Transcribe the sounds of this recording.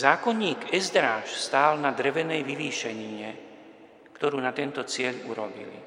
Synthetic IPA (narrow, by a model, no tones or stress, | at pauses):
zaːkɔnɲiːɡɛzd̪ɾaːʃst̪aːlnad̪ɾɛʋɛnɛjʋiʋiːʃɛɲiɲɛ | kt̪ɔɾuːnat̪ɛnt̪ɔt͡sɪɛʎuɾɔbḭlḭ